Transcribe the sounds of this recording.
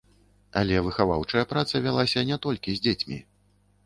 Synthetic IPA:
a̰lʲɛvɨxava̰wt͡ʂɐjɐpɾat̪sɐvʲalˠasʲɐnʲɛt̪ɔlʲkʲizʲd͡zʲet͡sʲmʲḭ

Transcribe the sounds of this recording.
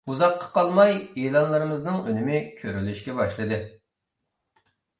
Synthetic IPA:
uzɑqːɑ̥qʰɑlˠmɑjelˠɑnlˠɨɾɨmɨznɨŋønymɪkʲʰøɾylyʃkʲɛbɑʃlˠɨd̪ɨ

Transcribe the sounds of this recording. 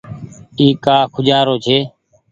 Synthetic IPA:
iːkaːkʰʊd͡ʒaːɾoːt͡ʃʰeː

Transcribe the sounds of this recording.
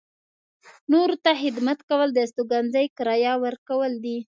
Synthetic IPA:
noɾot̪axɪd̪mat̪kawəld̪əst̪oɡanzəjkɪɾɑjɑwəɾkawəld̪i

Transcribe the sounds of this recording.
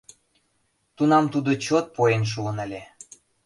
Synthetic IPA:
t̪unɑmt̪ud̪ot͡ɕot̪̚poenʃ̬uənə̆lʲe

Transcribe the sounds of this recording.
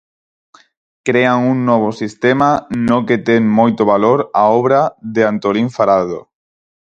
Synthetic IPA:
kɾeaŋuŋnɔβ̞osist̪emanoket̪eŋmojt̪oβaloɾaɔβɾaðeant̪oliɱfaɾaðo̰

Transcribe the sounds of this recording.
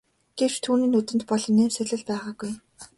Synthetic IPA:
ɡ̥ewt͡ɕt̪ʰuːniːnɵt̪ɘ̆nt̪̚pɔɮɞ̆nːeːmsæɮɘ̆ɮpæːʁaːɡuj

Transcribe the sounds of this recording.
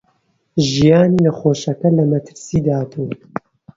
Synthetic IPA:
ʒijaːniːnɐxoːʃɐkɐlɐmɐt̪ʰɨ̥ɾsiːd̪aːt̪ʰuw

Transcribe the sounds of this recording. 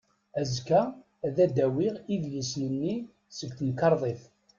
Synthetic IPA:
æzkæ | ðæd̪æwiʁiðjəsnənːi | səɡt̪ənkɑɾˤðˤeθ

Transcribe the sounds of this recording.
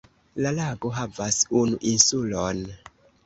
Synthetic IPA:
lalaɡo̞ɦavasunuʔinsulon

